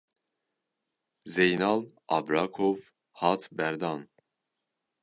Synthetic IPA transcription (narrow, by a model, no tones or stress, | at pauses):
zejnɑl | ɑ̰bɾɑkʰov | hɑt̪ʰbɛɾd̪ɑn